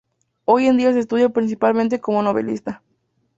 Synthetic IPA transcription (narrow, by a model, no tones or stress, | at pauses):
o̞jend̪ias̬eːst̪uðjopɾins̬ipalmẽnt̪e̞ko̞mo̞no̞βe̞̰lḭst̪a